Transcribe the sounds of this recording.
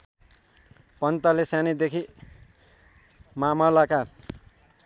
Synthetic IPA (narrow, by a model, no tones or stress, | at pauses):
pʌnt̪ʌlesjanid̪ekʰi | mamʌlaka